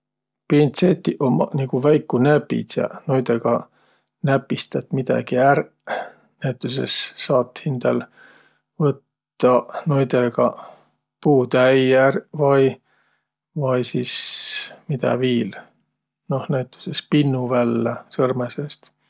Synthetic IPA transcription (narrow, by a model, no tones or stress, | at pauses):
pint̪set̪ʲːˑiʔomɑ̰niɡ̥uvæjkːunæpːḭt̪jɑ̰nojd̪eɡ̥ɑ | næpːˑist̪ɑt̪mid̪̥ɑ̰ɡ̥iær | næjt̪ːˑus̬ḛsːɑːt̪ːhind̪̥ɑl | vɤt̪ːɑnojd̪eɡ̥ɑ | puːd̪̥æjærvɑj | vɑjsismid̪æ̰viːl | no̞hnæjt̪ːˑu̥sespinːuvælːesɤrmesest̪